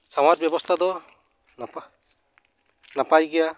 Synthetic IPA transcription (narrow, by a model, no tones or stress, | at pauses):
sawaɾ̚bjɔbɔst̪ʰad̪ɔ | nap | napajɡɛja